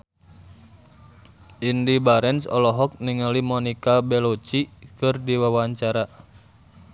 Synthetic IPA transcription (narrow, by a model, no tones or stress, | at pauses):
indibaɾɛnsɔlɔɦɔk̚niŋalimɔnikabɛlɔt͡ʃikɨrdiwawaɲt͡ʃaɾa